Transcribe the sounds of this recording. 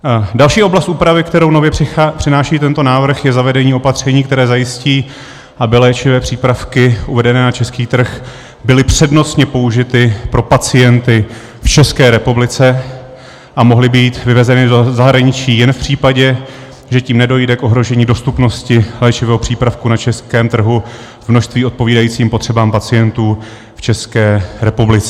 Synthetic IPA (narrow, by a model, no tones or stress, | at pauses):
dalʃiːʔo̞blast̪̚uːpɾavɪk̚t̪ɛɾownovjɛɪapr̥ɪnaːʃiːt̪ɛnt̪o̞naːvr̩xjɛzavɛdɛɲiːo̞pat̪r̝̥ɛɲiːk̚t̪ɛɾɛːzajɪsciː | ʔabɪlɛːt͡ʃɪvɛːpr̝̥iːpɾafkɪʔuvɛdɛnɛːnat͡ʃɛskiːt̪r̩x | bɪlɪpr̝̥ɛdno̞t͡sɲɛpo̞uʒɪt̪ɪpɾo̞pat͡sɪjɛnt̪ɪ | ft͡ʃɛskɛːɾɛpublɪt͡sɛ | ʔamo̞ɦlɪbiːt̪vɪvɛzɛnɪzaɦɾaɲɪt͡ʃiːjɛnfpr̝̥iːpaɟɛ | ʒɛciːmnɛdo̞jdɛkʔo̞ɦɾo̞ʒɛɲiːdo̞st̪upno̞scɪlɛːt͡ʃɪvɛːɦopr̝̥iːpɾafkunat͡ʃɛskɛːmt̪r̩ɦu | vmno̞ʃst̪viːo̞t̪̚po̞viːdajiːt͡siːmpot̪r̥ɛbaːmpat͡sɪjɛnt̪uː | ft͡ʃɛskɛːɾɛpublɪt͡sɛ